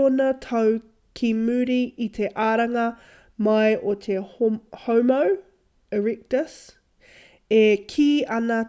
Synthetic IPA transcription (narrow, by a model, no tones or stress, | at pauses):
onɐt̪ʰɐw | kʰimʉːɾiʔit̪ʰeʔaːɾɐŋɐ | mɐjʔot̪ʰehomow | eɹik̚təs | ekʰiːɐnɐ